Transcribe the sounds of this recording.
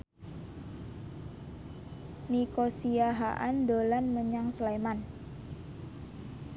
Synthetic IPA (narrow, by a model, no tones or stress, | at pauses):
nikosiaɦa̰ʔandolanməɲaŋsleman